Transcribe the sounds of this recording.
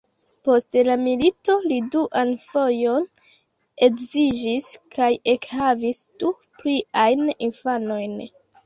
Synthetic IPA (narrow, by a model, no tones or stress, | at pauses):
po̞stelamilito̞liduʔanfo̞jo̞n | e̞kzid͡ʒiskʰaje̞khavisd̥u | pliajninfano̞jn